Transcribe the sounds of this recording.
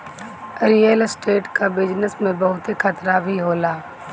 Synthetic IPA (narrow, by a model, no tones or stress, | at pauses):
ɾijəlsʈeːʈkabɪd͡ʒnəsmẽbɐɦʊt̪ekʰɐt̪ɾabʱiɦoːlaː